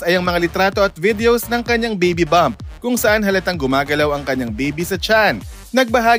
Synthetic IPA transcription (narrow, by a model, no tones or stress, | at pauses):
ɐjʔɐŋmɐŋalɪt̪ɾaːt̪o̞ɐt̪̚vɪd̪ɛosnɐŋkɐɲːaŋbejbibamp̚kʊŋsɐʔanɦɐlɐt̪ɐŋɡʊmaːɡɐlawɐŋkɐɲːaŋbɛjbisɐt͡ʃanː | ɐɡ̚bɐɦaː